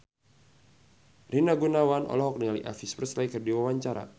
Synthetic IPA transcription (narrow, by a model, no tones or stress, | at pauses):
rinaɡunawanʔɔ̰lɔɦɔk̚nəŋalḭʔa̰fisprəslajkərdiwawaɲt͡ʃaɾa̰